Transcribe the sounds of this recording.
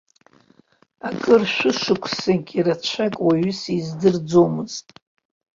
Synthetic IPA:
akʼɨrʃʷᶣɨʂɨkʷʰsɨnkʲʼirat͡ʃʷʰakʼwaɥʏsizdɨrd͡zomɨztʼ

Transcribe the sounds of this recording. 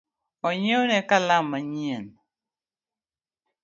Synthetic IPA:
ɔɲeonɛkalamːaɲiɛn

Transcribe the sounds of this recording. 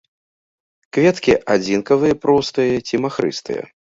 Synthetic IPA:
kvʲɛt̪kʲiʔad͡zʲinkɐvɨjɐpɾɔst̪ɨjɐt͡sʲimaxɾɨ̰st̪ɨ̰jɐ̰

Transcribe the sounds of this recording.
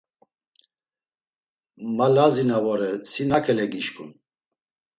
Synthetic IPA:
malazinavɔɾɛsinakʰɛlɛɡiʃkʼun

